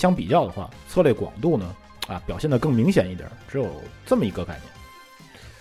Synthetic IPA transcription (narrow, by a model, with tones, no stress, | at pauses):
ɕjɑ˥ŋpi˨˩t͡ɕjɑ˥˩ʊd̪ə˩xwa̰˥˩t͡sʰɤ˥˧le˥˩kwɑ̰˨˩ŋt̪u˥˩nə˩ | ɐ̰˧˩pjɑ˨˩ʊɕjɛ˥˩nd̪ə˩˧kɤ˥˩ŋmi˧˥ŋɕjɛ˨˩ni˥˩t̪j̰ʈ͡ʂɻ̩˧˥jo˨˩ʊt͡sə˥˩mə˩i˧˥ɡə˧ka˥˩ɪnjɛ̰˥˩n